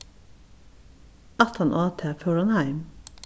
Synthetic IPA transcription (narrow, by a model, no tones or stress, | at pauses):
ɑt̪ʰɑnʔoːt̪ʰeːføɹɔnhæɪm